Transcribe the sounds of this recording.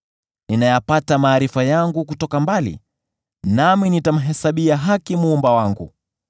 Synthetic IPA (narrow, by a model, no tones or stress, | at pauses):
ninajapatamaːɾifajaŋɡuk̬utɔkambalḭ | naminitam̩ɦɛsaɓiaɦakimuːmbawaŋɡṵ